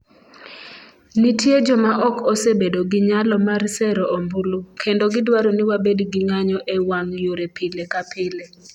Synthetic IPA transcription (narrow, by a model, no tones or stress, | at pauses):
nitjed͡ʒɔmaʔɔkɔsebedoɡɪɲalɔmarsɛɾɔʔombulukʰendoɡɪdwaɾonɪwabedɡiŋaɲɔʔɛwaŋjoɾepilekapʰɪle